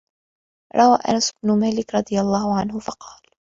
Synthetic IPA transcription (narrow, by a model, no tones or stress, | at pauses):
ɾˤɑwaːʔa̰nasbnʊmaːlɪkɾˤɑd̪ˤɨjalˤːɑːhʊʕanɦʊfɑqɑːl